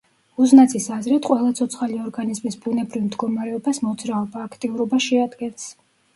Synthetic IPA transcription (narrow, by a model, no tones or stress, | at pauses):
uznat̪sʰisazɾit̪ʰqʼwɛlˠat̪sʰɔt̪sʰχaliɔɾɡanizmisbunɛbɾivmd̪ɡɔmaɾɛɔbasmɔt̪sʰɾaɔbaːkʰt̪ʼiuɾɔbaʃɛad̪ɡɛns